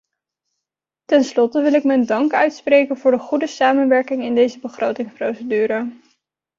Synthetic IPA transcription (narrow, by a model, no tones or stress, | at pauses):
tɛnslɔtəʋɪlɪkmɛndɑŋkœɥtsprejkənvʊːɹdəχudəsaːmənʋɛɹkɪŋɪndejzəbəχrʔowtɪŋsprowsədyːɾə